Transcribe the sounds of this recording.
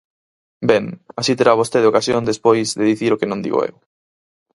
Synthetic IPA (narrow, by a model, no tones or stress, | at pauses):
bɛŋasit̪eɾaβost̪eðokasjond̪espojzðeðiθiɾokenõnd̪ḭɣo̰ḛw